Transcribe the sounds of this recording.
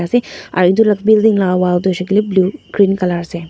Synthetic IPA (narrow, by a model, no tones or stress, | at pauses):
asea̰ːɾɪ̃nd̪ulɐkbɪld̪ĩŋɡlaːʋaːd̪oːʃəkeliebluːkɾiːnkɐlaːɾse